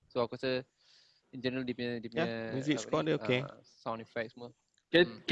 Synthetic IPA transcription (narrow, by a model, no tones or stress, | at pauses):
soakɔsə | ĩnd͡ʒɛ̃nəɾəldipɛ̃dipjammjuzikskɔ̃dəokesãw̃nifɛk̚smɔ | kɛk